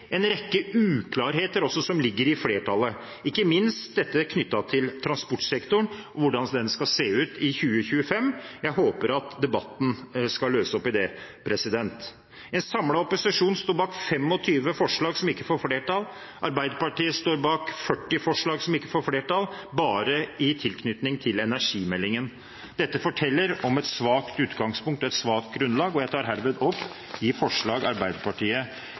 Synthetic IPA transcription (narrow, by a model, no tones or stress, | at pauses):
ɛnɾɛkːəʉːkʰlɑːɾɦeːt̪əɾɔsːɔsɔmlɪɡːəɾɪfleːʈʰɑlːə | ɪkːəmɪnst̪̚d̪ɛt̪ːəkʰnʏt̪ːɑt̪ʰɪlt̪ʰɾɑnspɔʈsɛkt̪ʊɳɔʋʊɖɑnd̪ɛnːəskɑseːʉːt̪ɪçʉːəçʉːəfɛmːjæɪɦoːpəɾɑt̪d̪ɛbɑt̪ːn̩skɑløːsəɔpːɪd̪ɛpʰɾɛsɪd̪ɛnt̪ | ɛnsɑmlɑɔpʊsɪʂuːnst̪oːɾbɑːkfɛmːɔt̪ʰyːʋəfɔʂɭɑːɡsɔmɪkːəfoːɾfleːʈɑl | ʔɑɾbæɪd̪əpɑʈiːəst̪oːɾbɑːkfœʈːɪfɔʂɭɑːɡsɔmɪkːəfoːɾfleːʈʰɑlbɑːɾəɪt̪ʰɪlkʰnʏt̪nɪŋt̪ʰɪlɛnæʂiːmɛlːɪŋən | d̪̥ɛt̪ːəfɔʈʰɛlːəɾɔmɛt̪sʋɑːkt̪ʉːt̪ɡɑŋspʊŋkt̪ɔɛt̪sʋɑːk̚t̪̚ɡɾʉnlɑːɡɔjæɪt̪ʰɑːɾɦæːɾʋed̪ɔpː | ɪfɔʂɭɑːɡɑ̰ɾbæɪd̪əpɑʈʰiːə